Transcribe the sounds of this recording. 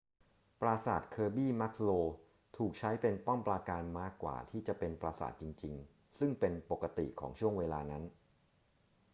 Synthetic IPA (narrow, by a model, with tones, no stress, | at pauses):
pɾaː˧sa̰ː˨˩t̪̚kʰɤː˧biː˥˩ma˦˥k̚loː˧ | t̪ʰuː˨˩k̚t͡ɕʰa˦˥jpe˧npɔ˥˩mpɾaː˧kaː˧nmaː˦˥˩kːwa̰ː˨˩t̪ʰiː˥˩t͡ɕa˨˩pe˧npɾaː˧sa̰ː˨˩t̪̚t͡ɕi˧ŋt͡ɕi˧ŋ | sɯ˥˩ŋpe˧npo˨˩kːa˧t̪ḭ˨˩kʰɔː˩˦ŋt͡ɕʰu˥˩əŋweː˧laː˧na˦˥n